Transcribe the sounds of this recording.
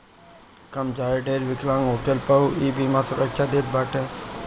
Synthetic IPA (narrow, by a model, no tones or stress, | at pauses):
kɐmd͡ʒaːeɖeːɾʋɪklãːŋɦoːʈelpəuiːbimãːsʊɾəkt͡ʃʰaːd̪et̪̚baːʈʰe